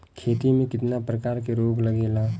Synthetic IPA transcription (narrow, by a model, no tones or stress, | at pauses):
kʰeːt̪imẽkɪt̪napɾəkaːɾkeɾoːɡləɡeːlaː